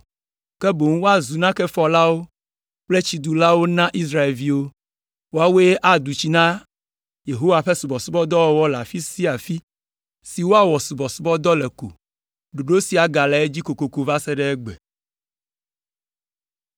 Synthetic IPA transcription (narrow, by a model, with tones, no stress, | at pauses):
kɛ˦bo˨ŋ˦wo˦a˨zu˨nã˦kɛ˦fɔ˨la˦wo˦ | k͡ple˦t͡ɕi˨d̪u˨la˦wo˦nã˦ʔi˦s̬ɾa˦e˨lvi˦wo˦ | wo˦a˦we˦e˦ʔa˨d̪u˨t͡ɕi˦nã˦ | je˨ɦo˦wa˨ɸɛ˦su˨bɔ˨su˦bɔ˦d̪ɔ˦wɔ˦wɔ˦la˨fi˦si˦a˨fi˦ | si˨wo˦a˦wɔ˨su˨bɔ˨su˦bɔ˦d̪ɔ˦lɛ˨ko̰˨ | ɖo˨ɖo˦si˨a˨ɡa˨la˨e˦d͡ʑi˦ko˨ko˨ko˨va˦sɛ˦ɖɛ˦ɛ˦ɡ͡bɛ̰˨